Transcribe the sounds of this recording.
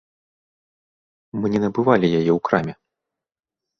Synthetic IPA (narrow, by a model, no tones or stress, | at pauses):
mɨnʲɛnɐbɨvalʲijajɛwkɾamʲɛ